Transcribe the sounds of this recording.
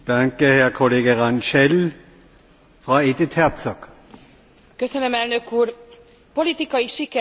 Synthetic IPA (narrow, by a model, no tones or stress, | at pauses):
d̪̥aŋkəhɛɐkʰoleːɡəʁanʃɛl | fʁaːeːd̪ɪt̪hɛʁt̪t͡sɔɡ̥ | kø̞sønømɛlnø̞kuːr | polit̪ikɒjiʃikɛ